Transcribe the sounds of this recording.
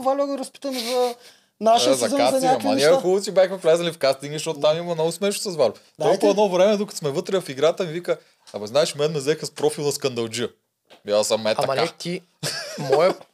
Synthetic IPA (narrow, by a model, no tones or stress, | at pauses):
valʲɔɡəɾɐspi̥t̪əmɛzɐ | naʃzɐaszɐiakmɐnʲakxulˠut̪sibʲjaxmɛflʲɛzɐlifkast̪iŋɡəʃɔt̪ʊt̪amimɐmnɔɡʊsmɛʃu̥sɐzvalʲʊt̪olˠkuɛd̪noɔvɾɛmɛd̪ukə̥smɛvɤt̪ɾɛjɐfiɡɾat̪əmivikə | ɐmɐznaɛʃmɛnːɛzɛxɐspɾɔfilˠnɐskɐnd̪ɐlˠd͡ʒi | basɐmːɛt̪ɐɐaɛt̪i | mɔjɛ